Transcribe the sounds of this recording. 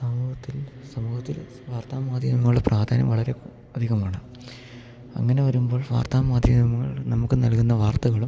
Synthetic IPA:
sɐmuːhɐt̪ːilsɐmuːhɐt̪ːil | ʋaːrt̪ʰaːmaːd̪ʱjɐmɐŋːɭuɽeprʔaːɾd̪ʰʱaːnɐ̰mʋɐɭɐɾe̞ | ɐd̪ʱiɣɐmaːɳɨ | ɐ̰ŋːɐne̞ʋɐɾumbo̞ːɭʋa̰ːrt̪ʰaːmaːd̪ʱjɐmɐmɐŋːɐ̰ɭnɐmukːɨnɐlkunːɐʋaːrt̪ɐɣɐɭum

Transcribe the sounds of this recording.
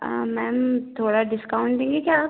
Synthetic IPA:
mɛ̃ːmt̪ʰoːɽaɖɪskaːʊ̃ɳʈd̪ẽːŋɡikjaː

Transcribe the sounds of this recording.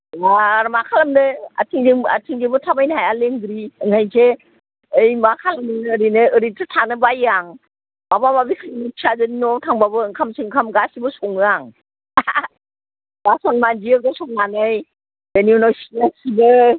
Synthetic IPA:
ɡaɾmakʰalamnɯa̰tʰiŋdiŋa̰tʰiŋzebɯtʰabajnɦajaleŋɡɾiɯŋhʰajsʰe | əjmakʰalamnɯnːɾinɯɯɾitʰɯtʰanɯbajaŋ | babamabikʰɯnisʰazɯninɔtʰaŋbabɯɯŋkʰamsɯŋkʰamɡasibɯsɔŋɯaŋ | ɡasɔnmand͡ʒiək̚ɡasɔŋmanɯj | deniunɔsinasibɯ

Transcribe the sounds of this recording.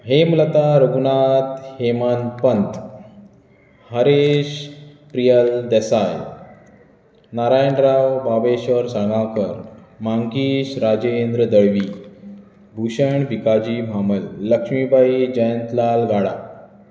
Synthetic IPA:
ɦemlət̪aɾəɡunat̪hemanpənt̪ | həɾeɕ | pɾijəld̪ɛsaj | naɾajənɾawbabeɕʋəɾsãŋɡãwkəɾmaŋkiːɕɾad͡ʑəend̪ɾəd̪əɭʋi | bʱuɕəɳʋikad͡ʑimʱaməlːəkʂmibʱaid͡ʑəjənt̪lalɡaɽa̰

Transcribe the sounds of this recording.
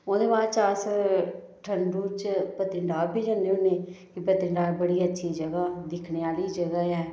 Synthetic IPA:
oːd̪eːbaːt͡ʃaːs | ʈʰənɖuːt͡ʃpət̪ɪɳɖaːɾbʱiːd͡ʒaːnːeːoneːkɪpət̪ɪɳɖaːɾbəɽiːətːʃʰiːd͡ʒəɡaːd̪ɪkʰneːaːliːd͡ʒəɡaːɦɛː

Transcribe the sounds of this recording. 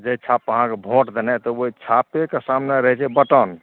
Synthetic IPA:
d͡ʒeit͡ʃʰapəɦãkebʱoʈd̪enɛt̪ɔoit͡ʃʰapekesamneɾəɦɛt͡ʃʰɛbəʈən

